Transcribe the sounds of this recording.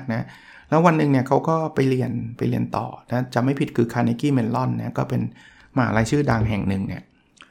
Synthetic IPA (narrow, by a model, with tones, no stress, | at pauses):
k̚na˦˥ | lɛː˦˥wa˧nːɯ˨˧ŋni˥˩ɐkʰa˦˥wkɔː˥˩pa˧jli˧ənpa˧jli˧˩ənt̪ɔ̰ː˨˩na˦˥t͡ɕa˨˩ma˥˩jpʰi˨˩t̪̚kʰɯː˧kʰaː˧ni˧kiː˥˩me˧nlɔ˥˩nːa˦˥kɔː˥˩pe˧n | maː˨˩˦laː˧jt͡ɕʰɯː˥˩daː˧ŋɦɛ˨˩ŋnɯ˨˩ŋnḭ˦˥˩ɐ